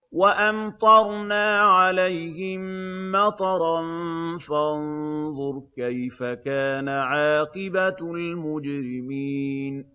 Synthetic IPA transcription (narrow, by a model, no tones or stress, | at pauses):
waʔant̪ˤɑɾˤnaːʕalajhɪmːɑt̪ˤɑɾˤɑnfanðˤʊɾˤkajfakaːnaʕaːqɪbalmʊd͡ʒɾɪmiːn